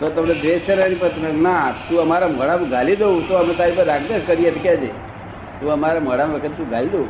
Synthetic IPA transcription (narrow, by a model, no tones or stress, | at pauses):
t̪ot̪əmned̪eʃt͡ʃʰəɾanipət̪ʰmenat̪ũəmaɾamoɽamɡʱalid̪out̪oəmẽt̪aɾibəɾːaɡd̪eʃkəɾiet̪kjad͡ʒḛ | t̪ũəmaɾamoɽamʋəkʰət̪et̪ũɡʱalid̪ou